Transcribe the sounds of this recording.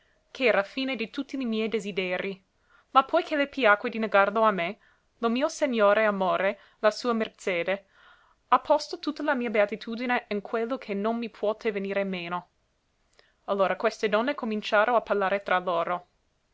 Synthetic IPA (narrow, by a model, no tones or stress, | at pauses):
kʰeɛːɾafiːned̪it̪ut̪ːilimjɛjd̪ezid̪ɛːɾi | mapʰːɔjkʰelepjaːkwed̪ineɡarloame | lomiːoseɲːoːɾeamoːɾe | lasuːamert͡ʃeːd̪e | apʰːɔst̪ot̪ut̪ːalamiːabeat̪it̪ʰuːd̪ineinkʰwelːokʰenonmipʰwɔːt̪ʰeveniːɾemeːno | alːoːɾakwest̪ed̪ɔnːekomint͡ʃaːɾoaparlaːɾet̪ɾaloːɾo